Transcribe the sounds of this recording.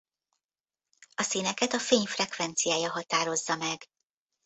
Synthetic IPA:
ɒsinɛkɛt̪ɒfeːɲfrɛkʋɛnt̪sijaːjɒɦɒt̪aːɾo̞zːɒmɛɡ

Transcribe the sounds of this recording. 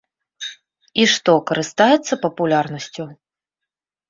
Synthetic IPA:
iʂt̪ɔkɐɾɨst̪ajɛt̪sːɐpɐpulʲarnɐsʲt͡sʲu

